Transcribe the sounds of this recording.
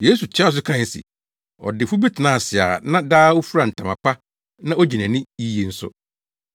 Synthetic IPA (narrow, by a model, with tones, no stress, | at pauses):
je˦su˨t͡ɕʰɪ˦a˦˨s̬ʊ˦kʰa˦˨sɪ̰˨ | ɔ̰˨dɪ˨fʊ˦bi˦tʰɪ˨nã˨sɪ˨a̰˨nã˦daː˦wu˦fu˦ɾa˨n̩˨tʰã˨mã̰˨pa˦ | nã˦o˦d͡ʑi˨næ̃˨nɪ̃˦i˦je˨n̩˦sʊ̰˦